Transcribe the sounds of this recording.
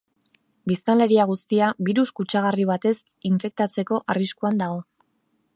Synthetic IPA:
bist̪anle̞ɾiaɣ̞ust̪iaβiɾuskut͡ʃaɣ̞ariβ̞at̪e̞s | iɱfe̞k̚t̪at͡se̞ko̞ʔariskuand̪aɣo̞

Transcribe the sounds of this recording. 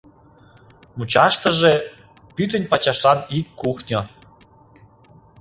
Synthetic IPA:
mut͡ɕɑʃt̪ə̆ʒe | pyt̪̬ənʲpɑt͡ɕɑʃlɑnikːuxnʲo

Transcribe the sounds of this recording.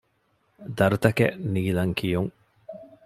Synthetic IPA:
d̪ɐɾut̪ɐkḛniːlɐŋkʰijuŋ

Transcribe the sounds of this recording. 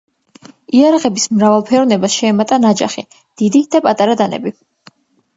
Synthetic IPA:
iaɾaʁɛbismɾavalˠpʰɛɾɔnɛbasʃɛːmat̪ʼanad͡ʒa̰χi | d̪̥id̪id̪̥apʼat̪ʼaɾad̪anɛ̰bi

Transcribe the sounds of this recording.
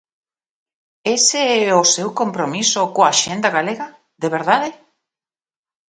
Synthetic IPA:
eseɛosewkompɾomisokoaʃend̪aɣaleɣa | ðeβeɾðaðɪ

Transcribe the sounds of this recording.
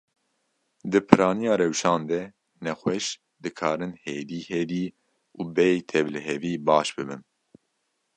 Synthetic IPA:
d̪ɨpʰɨɾɑːnijɑːɾɛwʃɑːnd̪ɛ | nɛxwɛʃ | d̪ɨkʰɑːɾɨnheːd̪iːheːd̪iː | uːbɛt̪ʰɛvlɨɦɛviːbɑːʃbɨbɨn

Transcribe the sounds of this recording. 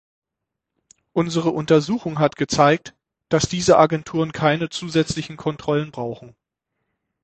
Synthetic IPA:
ʔʊnzəʁəʔʊntɐzuːxʊŋɦatɡ̥ət͡saɪk̚t | d̥asd̥iːzəʔaɡɛntʰuːʁənkʰaɪnət͡suːzɛt͡slɪçn̩kʰɔntʁ̥ɔlənbʁaʊxn̩

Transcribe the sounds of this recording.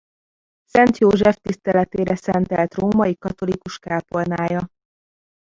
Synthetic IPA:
sɛnt̪joːʒɛft̪ist̪ɛlɛt̪eːɾɛsɛnt̪ɛlt̪roːmɒjikɒt̪o̞likuʃkaːpornaːjɒ

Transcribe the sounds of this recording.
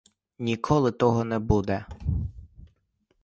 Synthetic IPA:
nʲikʰɔlˠɪt̪ɔɦɔnɛbud̪ɛ

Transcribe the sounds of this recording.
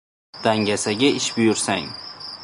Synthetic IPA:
d̪̥aŋɡʲasaɡʲaɪʃbʊjʊɾsaŋ

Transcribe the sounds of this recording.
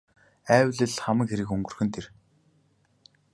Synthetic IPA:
æːwʲɮɘ̆ɮχamə̆kxeɾɘ̆kɵŋɡɵ̆rxɵ̆nt̪ʰer

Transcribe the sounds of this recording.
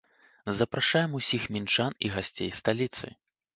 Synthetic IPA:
zɐpɾaʂajɛmusʲixmʲint͡ʂaniɣasʲt͡sʲḛjst̪alʲit̪sɨ̰

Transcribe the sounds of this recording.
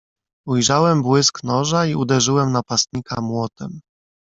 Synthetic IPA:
ujʐawɛmbwɘsknɔʐaiud̪ɛʐɘwɛmnapast̪̚ɲikamwɔt̪ɛm

